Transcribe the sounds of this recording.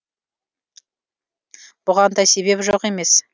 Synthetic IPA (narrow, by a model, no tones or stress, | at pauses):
b̥ʊʁɑnd̪ɑjse̞βbe̞pʒoqe̞me̞s